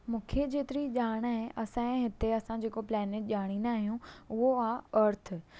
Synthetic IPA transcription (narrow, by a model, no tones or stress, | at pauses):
mũːkʰed͡ʑeːt̪ɪɾiʄaːɽ̃aɦʔɐsãɦɪt̪eɐsãd͡ʑeːkoplɛːneʈ̚ʄaːɽ̃ĩnd̪aːɦijũʊɦoaːɐɾt̪ʰɪ̆